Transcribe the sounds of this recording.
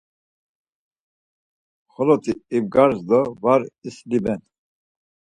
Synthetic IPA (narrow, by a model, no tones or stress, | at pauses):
χɔlɔt̪ʰiibɡaɾzd̪ɔvaɾislibɛn